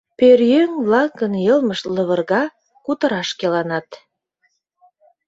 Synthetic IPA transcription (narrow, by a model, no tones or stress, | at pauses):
perjøŋβlɑkːənjəlməʃlə̆βə̆rɣɑ | kut̪ə̆ɾɑʃkelɑnɑt̪